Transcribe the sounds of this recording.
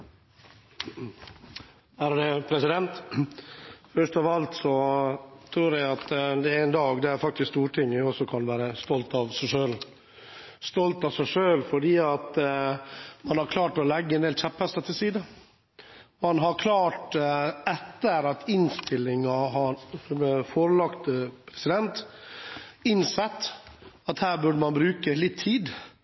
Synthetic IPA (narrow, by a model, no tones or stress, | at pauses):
æɾdɛpʰɾɛsɪd̪ɛnt̪ | fœʂʈ̪ɔʋɑlt̪sɔt̪ʰɾuːɾjæɪɑt̪d̪ɛɛnd̪ɑːɡd̪ɛæɾfɑkt̪ɪskst̪uːɾʈʰɪŋːəɔsɔkʰɑnʋæːɾəst̪ɔlt̪ɑʋsæɪʂøːl | st̪ɔlt̪ɑʋsæɪʂøːlfɔɖiːɑt̪ | mɑnhɑɾkʰlɑːʈɔlɛɡːəɛneːlçɛphɛst̪ɑt̪ʰɪlsiːd̪ə | mɑnɦɑɾkʰlɑːʈɛt̪ːəɾɑt̪ʰɪnst̪ɪlːɪŋɑɦɑɾfoːɾəlɑkt̪əpʰɾɛsɪd̪ɛnt̪ | ɪnsɛt̪ː | ɑt̪hæːɾbʉɖəmɑnbɾʉːkəlɪt̪ʰːiːd̪